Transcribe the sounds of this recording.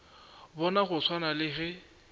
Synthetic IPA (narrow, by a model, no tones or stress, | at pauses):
bɔnaχʊt͡sʰwanalɪɣɛ